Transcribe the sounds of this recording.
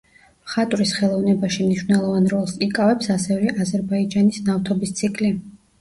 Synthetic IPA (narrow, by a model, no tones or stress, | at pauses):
χat̪ʼɾisχɛlˠɔvnɛbaʃimniʃwvnɛlˠɔvanɾɔlˠsikʼavɛpsasɛvɛʔazɛɾbaid͡ʒanisnaft̪ʰɔbist̪sʰikʼʰli